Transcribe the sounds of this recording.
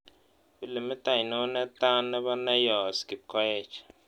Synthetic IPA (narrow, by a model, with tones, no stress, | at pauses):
bi˦lɛ˨mi˦t̪a˨jnɔ˦nɛ˦t̪a˦nːɛ˦βa˦na˦jɔ˨ski˨b̚kʰɔ˦ɛ˦˨t͡ʃ